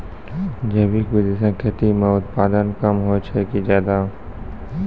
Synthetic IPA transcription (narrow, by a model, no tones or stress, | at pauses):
d͡ʒɐbikbid̪es̬ə̃kʰət̪imẽʊt̪paːd̪ənkəmɦoːt͡ʃʰɛkid͡ʒjaːd̪aː